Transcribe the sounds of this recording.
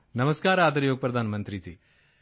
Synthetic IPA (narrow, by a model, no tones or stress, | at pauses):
nɐmɐskaːɾɐaːd̪ɐɾjoːɡɐpɾɐd̪ʱaːnɐmɐnt̪ɾitḭ